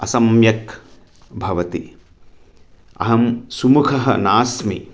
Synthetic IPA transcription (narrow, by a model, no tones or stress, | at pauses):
ɐsɐmjɐk | bʱɐʋɐt̪i | ɐ̰ɦɐmsumukʰɐɦɐ̰naːsmi